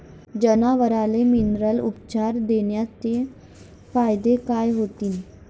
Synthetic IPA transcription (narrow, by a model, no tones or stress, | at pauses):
d͡ʒənaʋəɾaleminɾəlupt͡ʃaːɾd̪eːnjat̪e | faːjd̪ekaːjɦoːt̪iːn